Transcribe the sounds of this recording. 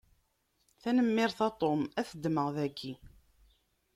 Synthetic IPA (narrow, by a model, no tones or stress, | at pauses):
θænəmːɪɾθɑt̪ˤomæθəd̪ːməʁðæɡːi